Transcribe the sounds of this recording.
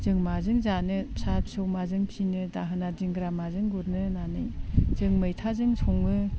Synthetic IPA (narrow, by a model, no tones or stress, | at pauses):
zɯŋmazɯŋzanɯsapsowmazɯŋpʰinɯdaɦɯnadiŋɡɾamazɯŋɡuɾnɯnanɯjz̥ɯŋmɯjtʰazɯŋsʰɔŋɯ